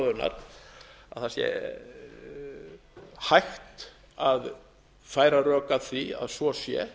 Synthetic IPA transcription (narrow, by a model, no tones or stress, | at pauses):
ðʏɾna̰ɾ̥ | aðθasjɛ̰ | hajxt̪ | að | faːjɾarœːkaθvia̰ðsvɔsjɛ̰